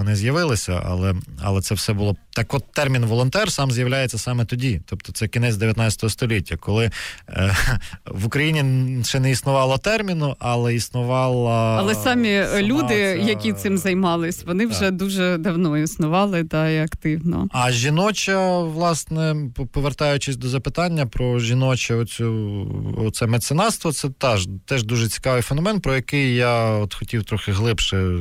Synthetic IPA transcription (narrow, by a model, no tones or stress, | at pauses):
ɔnɪzʲjɐʋɪlˠɪsʲɐ̰ɐ̰lˠɛɐ̰lˠɛt̪ɛwsɛbʊlˠɔt̪ɑkɔt̪t̪ːɛrmʲinʋɔlˠɔnt̪ɛrsɑmzʲjɐʋwlʲajet͡sʲːɐsɑmɛt̪ɔdʲit̪ɔpt̪ɔ̥t̪sɛkʲinɛt͡sʲd̪eʋjɐt̪nɑt͡sʲɐt̪ɔɦɔst̪ɔlʲitʲːɐkɔlˠɪ | ʋʊkɾɐjinʲiʃɛnɛisnʊʋɑlˠɐt̪ɛrmʲinʊʔɐlˠɛisnʊʋɑlˠɐɐlˠɛsɑmʲilʲud̪ɪjɐkʲit̪sɪmzɐjmɑlˠɪsʲʋɔnɪwʒɛd̪uʒɛd̪ɐwnɔisnʊʋɑlˠɪd̪ɑiɐkt̪ɪwnɔ̰ɐʒʲinɔt͡ʃɐʋlˠɑsnɛppɔʋert̪ɑjʊt͡ʃɪsʲd̪ɔzɐpɪt̪ɑnʲːɐpɾɔʒʲinɔt͡ʃɐɔt̪t͡sʲu | ɔt̪sɛmet̪senɑst̪ʋɔt̪sɛt̪ɑʒt̪ɛʒd̪uʒɛt͡sʲi̥kɑʋɪjfenɔmɛnpɾɔjɐkɪjjaɔt̪xɔtʲiwt̪ɾɔxɪɦlˠɪpʃɪ